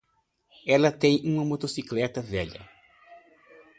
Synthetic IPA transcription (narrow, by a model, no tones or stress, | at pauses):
ɛlɐt̪ẽj̃ũmɐmot̪osiklɛt̪ɐvɛʎɐ̰